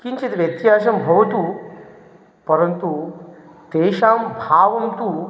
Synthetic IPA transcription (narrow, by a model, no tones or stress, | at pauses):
kiɲt͡ɕit̪ʋjet̪iɦaɕɐmbʱɐʋt̪u | pəɾənt̪u | t̪eɕãmbʱaʋɐmt̪u